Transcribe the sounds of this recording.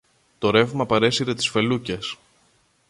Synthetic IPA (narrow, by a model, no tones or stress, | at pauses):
t̪o̞ɾe̞vmɐpɐɾe̞siɾe̞t̪i̥sfe̞luce̞s